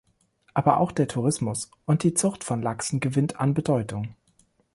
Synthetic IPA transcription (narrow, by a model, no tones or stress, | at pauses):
ʔaːbɐʔa̰ʊxd̥eːɐtʰuʁ̞ɪsmʊs | ʔʊnt̚d̥iːt͡sʊχtfɔnlaksn̩ɡəvɪntʰa̰nbədɔʏtʊŋ